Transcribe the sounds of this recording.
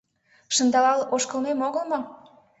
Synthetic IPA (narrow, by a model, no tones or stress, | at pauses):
ʃə̆nd̪ɑlɑloʃkə̆lmemoɣəlmo